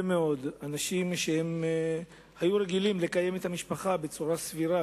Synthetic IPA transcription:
meo̞d̪anaʃimʃehe̞m | hajuɾe̞ɡilimle̞kaje̞met̪hamiʃpaχabe̞t͡suʁasviɾa

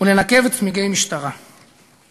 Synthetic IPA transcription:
unenakevet̪miɡejmiʃt̪aʁa

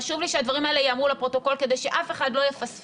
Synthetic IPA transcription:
aʃuvliʃead̪vaʁimaele̞jaːmʁulepʁo̞t̪o̞ko̞lke̞d̪e̞jʃe̞ʔafe̞χad̪lo̞jefas

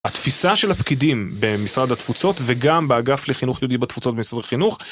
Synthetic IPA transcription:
at̪fisaʃe̞lhapkid̪imbemisʁad̪at̪fut͡so̞t̪veɡambeaɡafleχinuχjod̪ibat̪fut͡sot̪̚bemisʁad̪aχinuχ

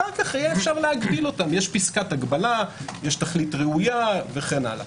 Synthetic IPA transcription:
aʁkaχajeefʃaʁleaɡbilo̞tamjeʃpiskataɡbalajeʃtaχlitʁeujave̞χena̰la̰

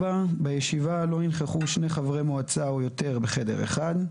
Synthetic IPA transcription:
babejeʃivalo̞ninχeχuʃne̞χavʁemoat͡saojo̞t̪e̞ʁbeχede̞̰ʁḛχad

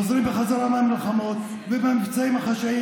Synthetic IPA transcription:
zɾimbeχazaɾamaamilχamot̪ | vebamikt͡saimhaχaʃai

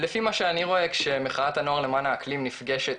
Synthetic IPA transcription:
lefimaʃeaniʁo̞e̞kʃemeχaat̪hano̞aʁle̞maːnaːklimnifɡe̞ʃet̪̚

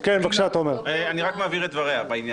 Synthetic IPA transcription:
kenvakʃaat̪aomeʁeaniʁakmaːviʁet̪̚dvaʁeabainj

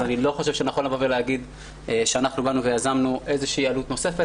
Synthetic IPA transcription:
anilo̞χo̞ʃe̞vʃenaχolavoveleaɡid̪ | ʃeanaχnubanuve̞jazamnuʔe̞zeʃiːalut̪no̞se̞fe

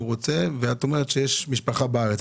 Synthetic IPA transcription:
ʁot͡se̞veat̪o̞meʁet̪ʃejeʃmiʃpaχabaaʁet͡s

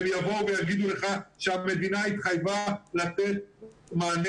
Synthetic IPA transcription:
mjavo̞vejaɡid̪uleχaʃeame̞d̪inait̪χajvalat͡set̪̚maːn

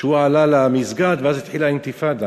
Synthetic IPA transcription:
uwaʕalalamizɡat̪bazit̪ħilaɪnt̪ɪfaːd̪a

